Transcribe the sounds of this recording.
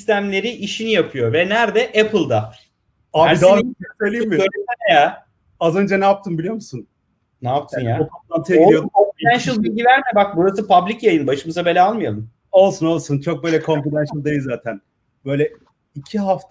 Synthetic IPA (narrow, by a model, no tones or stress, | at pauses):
sist̪ʰæmlʲe̞ɾiʔiʃinijapʰɯjo̞vɛnæɾd̪ɛʔepʰɯlˠd̪a | aːæid̪aisøjlʲijimɪølʲɛnja | azø̞nd͡ʒɛnɛjap̚t̪ʰɯnmbilʲijo̞ɾmusun | naːp̚t̪ʰɯnjaopʰat̪lˠant̪ʰɯeoijod̪kʰomfid̪ænʃɯlˠbilʲɟivæɾmɛbak̚buɾasɯpʰablʲicjajɯnbaʃɯmɯzabe̞lʲaːalˠmɯjalˠum | o̞lˠsuno̞lˠsunt͡ʃʰo̞k̚bøjlʲɛkʰõ̞mfid̪ɛnʃɯlˠd̪ajɯzːaːt̪ʰæn | bø̞jlʲɛ | icʰiɦaft̪ʰ